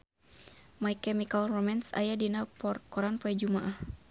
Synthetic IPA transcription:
majkɛmikalrɔmɛnsa̰jadinapkɔɾanpɔɛd͡ʒumaʔah

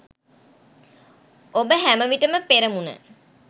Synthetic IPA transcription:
obəɦæməʋiʈəməpeɾəmunə̰

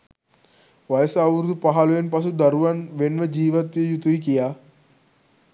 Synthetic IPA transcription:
ʋajəsəaʋɾud̪upaɦaluʋenpas̬ud̪aɾuʋanʋenʋəd͡ʒiːʋat̪ʋiəjut̪uik̬ija

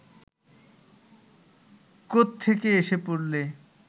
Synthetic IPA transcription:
kot̪ʰːekeeʃepoɽle

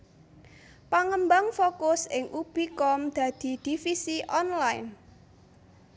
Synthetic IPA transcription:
paŋəmbaŋfokʊsɪŋʔub̥i̤kɔmd̪̥ä̤d̪̥i̤d̪̥i̤fisiʔɔnlaɪn

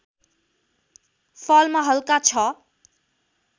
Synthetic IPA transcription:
fʰʌlmaɦʌlkat͡sʰʌ

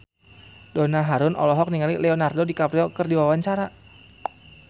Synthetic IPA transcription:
donaɦaɾʊnɔ̰lɔɦɔk̚niŋalilɛɔnardodikapɾiɔkɨrdiwawaɲt͡ʃaɾa

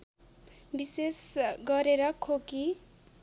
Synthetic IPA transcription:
bisesɡʌɾeɾʌkʰoki

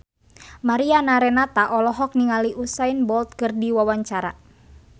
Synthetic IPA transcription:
maɾianaɾɛnat̪aʔɔlɔɦɔk̚niŋaliʔusainbɔlt̪̚kɨrdiwawaɲt͡ʃaɾa̰

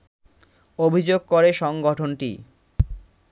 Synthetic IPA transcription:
obʱid͡ʑoɡ̚koɾeʃɔŋɡɔʈʰonʈḭ

